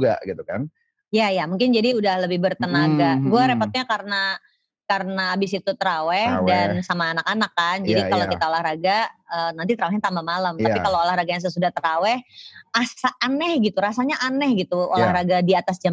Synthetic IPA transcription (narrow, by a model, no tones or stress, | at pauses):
ɡa̰ɡit̪ukan | jajamuŋkɪnd͡ʒadiudahləbɪhbərt̪ənaɡaɡuaɾepat̪̚ɲakaɾəna | kaɾənaːbɪsit̪ut̪əɾawɛhdansamaːnakanakːand͡ʒadikalokit̪aolahɾaɡaəːnant̪it̪əɾawɛɦɲat̪ambamalamt̪apikaloolahraɡajas̬əsudaht̪əɾawɛhasaːnɛhɡit̪uɾasaɲaʔanɛhɡit̪uolahɾaɡadiat̪asd͡ʒa